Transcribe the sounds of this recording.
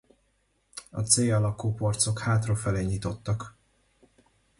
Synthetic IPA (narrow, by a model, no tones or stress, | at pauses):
ɒ̰t̪seːjɒlɒkuːpo̞rt̪so̞khaːt̪rofɛleːɲit̪o̞t̪ːɒk